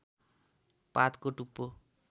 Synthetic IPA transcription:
pat̪koʈupːo

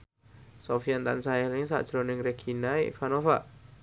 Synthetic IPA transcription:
sofiant̪a̰nsajɛlɪŋsa̰ʔd̥ɾonɪŋreɡ̥ʰinaḭfanofaʔ

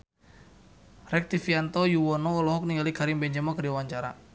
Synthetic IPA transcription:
rɛk̚t̪ifiant̪ɔjuwɔnɔɔlɔɦɔk̚niŋalikaɾimbɛɲd͡ʒɛmɔkədiawaɲt͡ʃaɾa̰

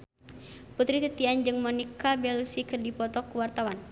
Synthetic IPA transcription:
put̪ɾit̪it̪iand͡ʒɨŋmɔnikabɛlusikɨrdipɔt̪ɔkuwart̪awan

